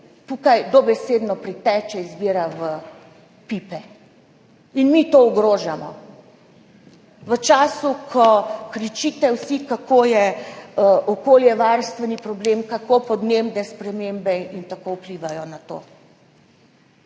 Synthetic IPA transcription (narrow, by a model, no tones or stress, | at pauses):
t̪ukajd̪ɔbɛsed̪nɔpɾit̪ɛːt͡ʃɛizbiɾaʋə | pipɛ | inmit̪ouɡɾoːʒamɔ̰ | ʋət͡ʃaːsukʰɔkɾit͡ʃiːt̪ɛwsikakʰojɛəʔɔkoːljɛʋaɾst̪ʋɛnipɾɔbleːmkakopɔd̪nemd̪ɛspɾɛmembɛint̪akowpliʋajɔnat̪o̰ː